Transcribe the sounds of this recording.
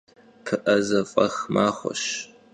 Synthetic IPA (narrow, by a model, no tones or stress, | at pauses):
pʰɨʔɐzɐfʼɐxmaːχʷɔ̰ʃ